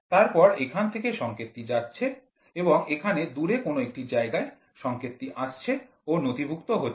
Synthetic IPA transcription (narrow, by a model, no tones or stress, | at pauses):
t̪aɾpɔɾekʰant̪ʰekeʃɔŋket̪ːid͡ʑatːɕʰe | eboŋekʰaned̪uɾekonoek̚ʈid͡ʑaeɡae | ʃɔŋket̪ːiʔaʃt͡ɕʰe | onot̪ibʱukt̪oɦoː